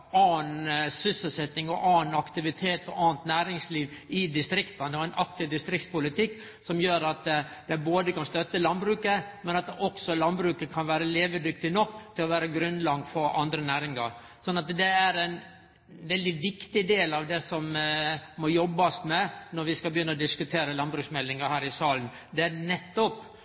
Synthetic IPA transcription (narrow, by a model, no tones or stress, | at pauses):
ɑːnsʏsəlsɛt̪ːɪŋɔʔɑːnɑkt̪ɪʋɪt̪ʰeːt̪ɔʔɑːnt̪næːɾɪŋsliːʋɪd̪ɪst̪ɾɪkt̪ɑnd̪ɛæɪnʔɑkt̪ɪʋd̪ɪst̪ɾɪk̚t̪spʊlɪt̪ʰɪkː | sɔmjøːɾɑt̪ | d̪̥ɛɪboːd̪əkɑnst̪œt̪ːəlɑnbɾʉːkəmɛnɑt̪ɔksɔlɑnbɾʉːkəkʰɑnʋæːɾəleːʋəd̪ʏk̚t̪ɪnɔkːt̪ʰɪlɔʋæːɾəɡɾʉnlɑɡfɔɾɑ̰nd̪ɾənæːɾɪŋɑɾ | sɔnːɑt̪d̪ɛæɾɛɪn | ʋɛld̪ɪʋɪkt̪ɪd̪eːlɑʋd̪ɛsɔmmːɔjɔbːɑsmɛnɔɾʋɪskɑbəjʏnːəɔd̪ɪskʉt̪ʰeːɾəlɑnbɾʉːksmɛlːɪŋəhæːɾɪsɑːlən | d̪ɛænɛt̪ːɔp